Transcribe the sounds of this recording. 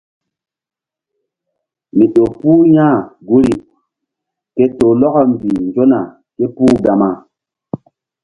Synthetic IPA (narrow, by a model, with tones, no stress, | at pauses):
mi˨ɗo˨pu˦jãː˦˨ɡu˦ɾi˨ | ke˦to˨lɔ˦kɔ˦m˨bi˨nd͡ʒo˦na˨ | ke˦pu˦ɡa˨ma˨